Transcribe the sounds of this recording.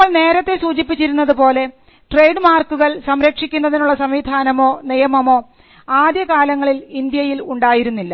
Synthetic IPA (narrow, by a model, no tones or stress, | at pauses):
ɐɭne̞ːɾɐt̪ːe̞suːt͡ɕipːit͡ɕːiɾunːɐðupo̞ːle̞ | ʈre̞jɖmaːrkːuɣɐɭsɐmɾɐkʂikʲːunːɐðinuɭːɐsɐmʋiːd̪ʱaːnɐmo̞ːnijɐmɐmo̞ː | aːd̪jɐkaːlɐŋːɐɭilind̪jɐjiluɳɖaːjiɾunːilːɐ